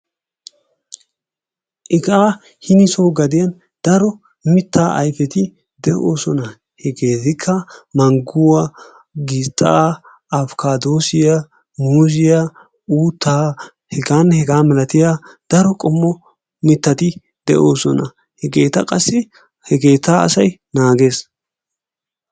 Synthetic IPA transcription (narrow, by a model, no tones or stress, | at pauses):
ʔɪɡaː | hɪnɪsɔwɡɐd̪ɪjɐn | d̪̥ɐɾɔ | mɪt̪ːaːʔɐ̰jfɛt̪ɪ | d̪ɛʔo̞ːsɔnɐ | hɛɡe̞ːt̪ɪkʰːɐmɐŋɡʊwɐ | ɡɪt̪ʼːa̰ː | ɐfkaːd̪o̞ːsɪja | muːzɪja | uːt̪ːaː | hɛɡaːnhɛɡaːmɛlɐt̪ɪjaːd̪̥ɐɾɔkʼɔmːɔ | mɪt̪ːɐt̪ɪ | d̪̥ɛʔo̞ːsɔnɐ | hɛɡe̞ːt̪ɐ̰kʼɐsːɪ | hɛɡe̞ːt̪aːɐ̰sɐjnaːɡe̞ːs